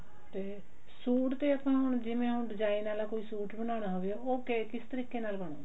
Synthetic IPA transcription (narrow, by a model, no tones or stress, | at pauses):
t̪eː | suːʈt̪eːəpãːɦʊɳ̃d͡ʒɪʋẽːɦʊɳɖɪd͡ʒaːinaːlaːkoːiːsuːʈbəɽ̃aːɽ̃aɦoːʋeɛoːkekɪst̪əɾiːkeːnaːlbəɽ̃oː